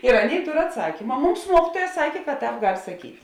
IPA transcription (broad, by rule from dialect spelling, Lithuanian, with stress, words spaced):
ɪr ˈɑːˌnʲeːɪ ˈtoːr ɐtˈsɑːkʲiːmɐ ˈmʊms ˈmuɔkʲiːtuɔjɛ ˈsɑːkʲeː kɐt ˈtɑːp ˈɡɐlʲ sɐˈkʲiːtʲ